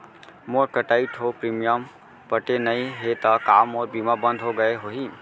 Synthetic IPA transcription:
moɾkəʈaːiʈɦopɾiːmijəm | pəʈenəiɦet̪əkaːmɔːɾbimabə̃nd̪ʱɦoɡəeɦoɦi

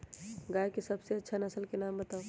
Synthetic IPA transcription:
ɡaːjkesɐbseɐtːʃʰanɐsəlkenaːmbət̪aːo

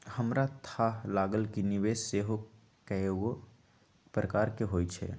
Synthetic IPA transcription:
həmɾat̪ʰaːɦlaːɡəlkinɪʋeːsseːɦo | kɛewo | pɾəkaːɾkeɦoːit͡ʃʰɛ̰ː

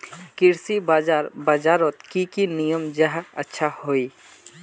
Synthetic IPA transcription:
kɪɾsibaːd͡ʒaːɾbaːd͡ʒaːɾoːt̪kikinijəmd͡ʒəɦə̰tːʃʰahoːiː

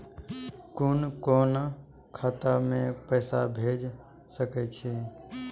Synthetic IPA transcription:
koːnkoːn | kʰaːt̪amẽpɛːsabʱeːd͡ʒ | səkɛt͡ʃʰeː

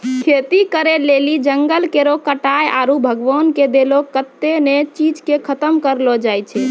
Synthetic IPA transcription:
kʰet̪ikəɾelelid͡ʒəŋɡəlkeɾokəʈajaɾubʱəɡʋɔnked̪elokət̪ːenet͡ʃid͡ʒkekʰət̪əmkəɾlɔd͡ʒajt͡ʃʰɛ

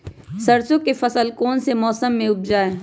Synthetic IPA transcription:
sɐɾsõkefɐsəlkɔːnsemɔːsəmːẽʊb̚d͡ʒaːeː

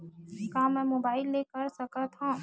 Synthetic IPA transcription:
kaːmɛ̃ːmoːbaːɪlːeːkəɾsɐkat̪ʰã

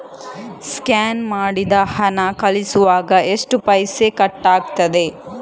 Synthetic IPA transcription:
skaːnmaːɽid̪ɐhɐnɐkɐlisuʋaːɡɐʔeʂʈupɐjsekɐʈːaːɡt̪ɐd̪e̞

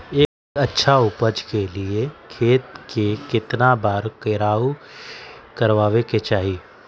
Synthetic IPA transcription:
eːkɐtːʃʰaʊpəd͡ʒkeliekʰeːt̪kekɪt̪nabaːɾkəːɾaːu | kɐɾʋaːʋeket͡ʃaːɦi

